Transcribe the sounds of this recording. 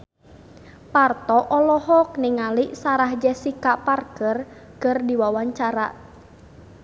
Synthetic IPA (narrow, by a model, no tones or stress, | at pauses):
part̪ɔʔɔlɔɦɔk̚nɪŋaliʔsaɾahd͡ʒɛsikaʔparkər | kərdiwawaɲt͡ʃaɾa̰ʔ